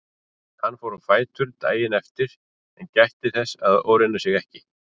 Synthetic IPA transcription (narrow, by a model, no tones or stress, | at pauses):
hanːfoːwɾʏfaːjt̪ʰʏɾt̪a̰ːjɪnɛft̪ɪɾ̥ | ɛncajht̪ɪθɛsːaðo̰ːwɾɪnːasjɛɣɛhcɪ